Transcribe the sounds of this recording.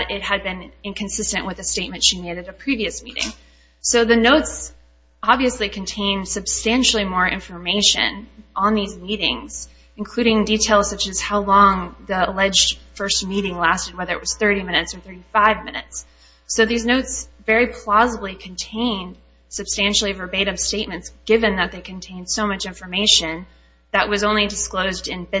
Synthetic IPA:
ɾɪt̚hɨd̚bɨ̃nɨ̃nkʰɨ̃n̩sɪstɨ̃nʔwɨðɨsteɪt̚mɨ̃ntʃineɪɾɨɾɨpʰɹ̥iviɨsmḭɾɪ̰̃ŋ | soʊðɨnoʊts | ɑbviɨslikʰɨ̃n̩tʰẽɪ̃nd̥sɨb̥stæ̃nʃl̩ˠimɔɹʔɪ̰̃ɱfə˞meɪʃɨ̰̃nʔə̃nðizmiɾɪ̰̃ŋz̥ | ɨ̃n̩kʰl̥ʉɾɪ̃ŋditʰeɪlˠz̥sʌt͡ʃɨz̥haʊlɔ̃ŋðəəlɛd͡ʒd̥fɜ˞st̚miɾɪ̃ŋlæstɨd̚wɛðə˞ɨ̰ʔ̚wʌz̥θɜ˞ɾimɪ̃ñɨtsə˞θɜ˞ɾifaɪvmɪ̃nɨ̰tsː | oʊðiznoʊtsvɛɹipʰl̥ɑzəblikʰɨ̃ntʰẽɪ̃nd̥ | sɨb̥stæ̃nʃl̩ˠivə˞beɪɾʌv̥steɪt̚mɨ̃ntsɡ̥ɪvɨ̃nðɨt̪̚ðeɪkʰɨ̃ntʰẽɪ̃nd̥soʊmʌt͡ʃɪ̃ɱfə˞meɪʃɨ̃n | ðɨʔ̚wʌzõʊ̃nlidɨskloʊzdɨ̃n

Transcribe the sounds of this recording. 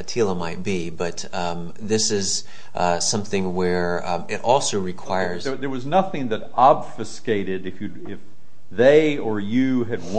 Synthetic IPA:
ɨtʰilˠəmaɪt̚b̥i | bʌt̪̚ | ðɪsɪz̥ | sʌ̃mθɪ̃ŋwə˞ | ɪɾʔɔlˠsoʊɹɨkʰw̥aɪə˞zðə˞wʌznʌθɪ̃ŋðɨɾɑbfɨskeɪɾɨɾɨfjɨ | ɪf | ðeɪə˞jɨɨd̚w

